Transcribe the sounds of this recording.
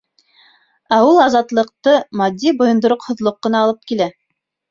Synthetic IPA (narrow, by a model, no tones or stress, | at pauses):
æulˠɑzɑt̪lˠɤ̆q̚t̪ɤmɑd̪ʲːibŏjŏnd̪ŏɾoqhŏðlˠoqːɤ̆nɑːlˠɤp̚kilæ